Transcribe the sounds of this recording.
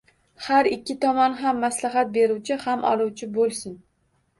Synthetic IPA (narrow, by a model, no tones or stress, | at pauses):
haɾɪkʲːɪt̪ʰɒmɒnɦamːaslaɦat̪̚be̞ɾuwt͡ʃʰɪhamʔɒ̰lˠuwt͡ʃʰɪbolˠsɪn